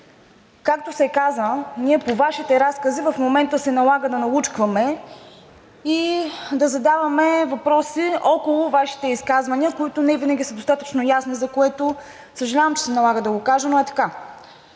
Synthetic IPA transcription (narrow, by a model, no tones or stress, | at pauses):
kak̚t̪osɛkazəniɛpovaʃit̪ɛɾaskəzivɐfmomɛnt̪əsɛnɐlˠaɡəd̪ɐnɐlˠut͡ʃkvəmɛ | id̪ɐzɐd̪avɐmɛvɐpɾɔsiɔkolˠovaʃi̥t̪ɛiskazvɐniəkoit̪ʊnɛvinəɡʲisəd̪ost̪at̪ət͡ʃnojasnizɐkoɛt̪o | səʒɐlʲavɐmt͡ʃɛ̥sɛnɐlˠaɡəd̪ɐɡokaʒɛnoɛt̪ɐ̥ka